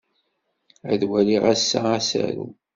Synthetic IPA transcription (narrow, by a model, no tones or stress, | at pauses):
æ̰ðwæliʁæsːaæsæ̰ɾu